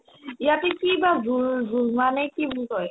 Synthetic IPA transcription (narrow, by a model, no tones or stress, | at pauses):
jatekibazulzulmanekibuzɔe